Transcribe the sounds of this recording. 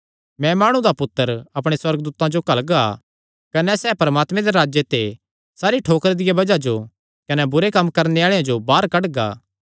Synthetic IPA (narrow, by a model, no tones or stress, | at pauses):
mɛ̃maːɽ̃ũd̪apʊt̪ːəɾɐpɽ̃eswɐɾɡd̪uːt̪ãd͡ʒokɐlɡa | kɐnɛsɛːpɐɾɐmaːt̪mẽd̪eɾaːd͡ʒjet̪e | saːɾiʈʰoːkɾed̪ɪjabɐd͡ʒad͡ʒo | kɐnɛbʊɾekɐmːkɐɾneaːɭejãd͡ʒobaːɾkɐʈɡa̰ː